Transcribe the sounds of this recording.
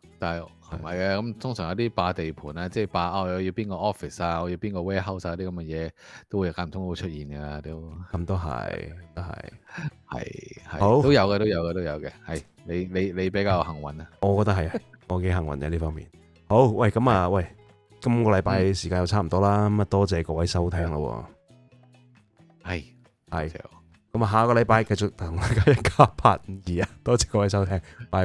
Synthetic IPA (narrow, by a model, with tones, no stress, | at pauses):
t̪aː˨nɐ˨j | hɐ˨˩mɐ˨jka˧kɐ˨˦mt̪ʰʊ˥ŋsːŋjɐ˨˧wt̪iː˥paː˧t̪e˨jpʰuː˨˩naː˧t͡sɛː˥˩paː˧aː˧jɐ˨˧wji˧wpiː˥nkɔː˧ʔɔː˥fi˨˩saː˧ŋɔː˨˧ji˧wpiː˥nkɔː˧wɛː˥ɦɐ˥wsaː˨˧t̪iː˥kɐ˨˥mkɛ˧jɛː˨˧t̪o˥wu˨˧jkaː˧˥nmʰ˨˩ʊ˥ŋ˥˧o˧˥t͡ʃʰɵ˥t̚jiː˨˩nɡa˧t̪o˥wkɐ˧mt̪o˥wɦɐ̰˨jkɔ˧t̪ɐ˥khɐ̰˨jhɐ̰˨jhɐ̰˨˩ho˨˥wto˥wjɐ˨˧wkɛː˧t̪o˥wjɐ˨˧wkɛː˧t̪o˥wjɐ˨˧wkɛ˧hɐ˨˩j | ne˨˧jle˨˧jle˨˧jpe˨˥jkaː˧jɐ˧whɐ˨˩ŋwɐ˨˥nɐ˧ŋɔː˨˧kɔː˧t̪ɐ˥k̚ɦɐ˨˩ja˧ŋɔː˨˧ke˨˥ɦɐ˨˩ŋwɐ̰˨˩nkɛ˨˧liː˥fɔː˥ŋmḭː˨n | ho˨˥wwɐ˥˩jkɐ˨˥mɐː˨wɐ˥˩j | kɐ˥mkɔː˧lɐ˨˧˥jpaː˧jsiː˨kaː˧njɐ˨˧wt͡sʰaː˥m̩˨˩t̪ɔː˥laː˥kɐ˦mɐ˨˩t̪ɔː˥t͡sɛː˨kɔː˧wɐ˨˥jsɐ˥wt̪ʰɛː˥ŋlɐ̰˧wɔ̰ː˧ | hɐ˨˩j | hɐ̰˨˩j | kɐ˨˥maː˨ɦaː˨˧kɔː˧lɐ˨˧jpaː˧jkɐ˧jt͡sʊ˨k̚t̪ʰʊ˨˩ŋlɐ˨˩kaː˧˥jɐ˥˩kʰaː˥pʰa̰ː˨t̚jiː˨ɐ˨˧t̪ɔː˥t͡sɛː˨˧kɔː˧wɐ˨˦js̬ɐ˥wt̪ʰɛː˥ŋmaː˨˧